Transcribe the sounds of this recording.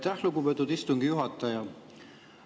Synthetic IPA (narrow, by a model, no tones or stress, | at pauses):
jt̪æhluɡupet̪ːˑud̪ist̪uŋɡ̥ijuɦɑt̪ːˑɑjɑ